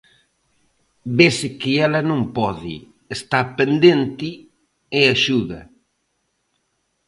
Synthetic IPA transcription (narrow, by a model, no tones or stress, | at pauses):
besɪkɪɛlɐnõmpɔðɪ̰ | est̪apend̪ent̪ɪ | eaʃuðɐ̰